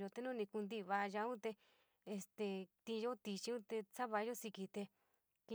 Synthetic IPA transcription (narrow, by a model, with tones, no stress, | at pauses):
jo˧t̪e˧nũ˦nĩ˧ku˧nd̪i˧βa˧ʒa˧˦ũ˦t̪e˧ | e˧st̪e˧˨t̪ĩ˧jo˦t̪i˧t͡ʃi˧ũ˦t̪e˧sa˦βa˧jo˦si˧ki˧t̪e˧ | ki˧